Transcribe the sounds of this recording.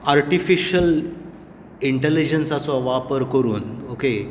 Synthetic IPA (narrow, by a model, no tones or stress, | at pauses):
aɾʈifiɕəl | iɳʈelid͡ʑənsat͡sɔʋapəɾkəɾuːnoke